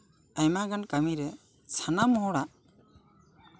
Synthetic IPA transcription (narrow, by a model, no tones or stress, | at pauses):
ajmaɡankamiɾɛ | sʰanamɔɦɔɽaʔ